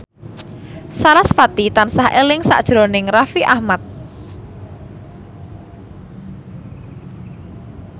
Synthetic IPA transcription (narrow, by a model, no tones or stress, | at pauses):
salasfat̪it̪ansahʔelɪŋsa̰ʔd̥ʒ̥ɾonɪŋrafiʔahmat̪̚